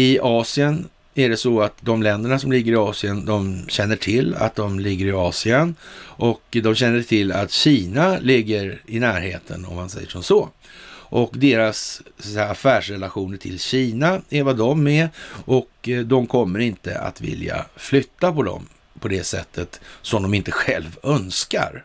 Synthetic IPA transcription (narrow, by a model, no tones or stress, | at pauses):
ɪɑːsɪən | æɖɛsɔat̪d̪ɔmlɛnd̪əɳasɔmlɪɡːəɾɪɑːsɪənd̪ɔmɕɛnːəʈʰɪlːa̰t̪̚d̪ɔmlɪɡːəɾɪɑːsɪənʔɔkd̪ɔmɕɛnːəʈʰɪlːa̰t̪ɕiːnalɪɡːəɾɪnæːɾhḛːt̪ʰə̰nɔ̰mhansɛ̰jːəʂɔmsɔ | ʔɔkd̪eːɾasssɛaafæːʂɾɛlaɧuːnəʈʰɪlɕiːnaɛɾvad̪ɔmːɛʔɔkd̪ɔmkʰɔmːəɾɪnt̪ə̰a̰t̪vɪ̰lja̰flʏt̪ːapʰɔd̪ɔ̰m | pʰɔd̪ɛsɛ̰t̪ʰːət̪sɔmd̪ɔmɪnt̪əɧɛlvœnska̰ɾ